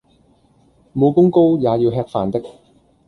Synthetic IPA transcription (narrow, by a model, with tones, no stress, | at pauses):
mo˨˧wkʊ˥ŋko˥wjaː˨˧jiː˧wɦɛː˧k̚faː˨˩nt̪ɪ˥k̚